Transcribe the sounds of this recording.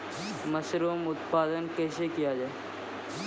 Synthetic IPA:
mɐsɾuːmʊt̪̚paːd̪ənkɛːsekijad͡ʒaːe

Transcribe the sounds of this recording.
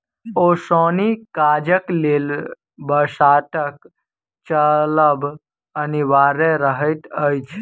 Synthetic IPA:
oːsoːnikaːd͡ʒəklel | bəsaːt̪ək | t͡ʃələb | əniʋaːɾeɾəɦət̪əjt͡ʃʰ

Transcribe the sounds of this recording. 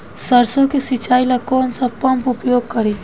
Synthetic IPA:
səɾsõkesit͡ʃaːilakɔːnsapəmpʊpjoːɡ̚kəɾi

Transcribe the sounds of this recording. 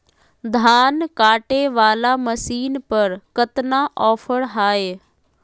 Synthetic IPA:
d̪ʱaːnkaːʈeʋaːlaːməsiːnpəɾkət̪naʔɔːpʰəɽɦaːeː

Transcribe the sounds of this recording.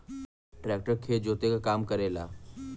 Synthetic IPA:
ʈɾɛk̚ʈəɾkʰed͡ʑot̪ekakamkəɾela̰

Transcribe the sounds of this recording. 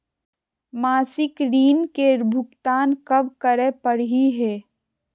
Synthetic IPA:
maːsɪkɾiːnkeɾbʱʊkt̪aːnkɐbkəɾepəɽɦiɦɛː

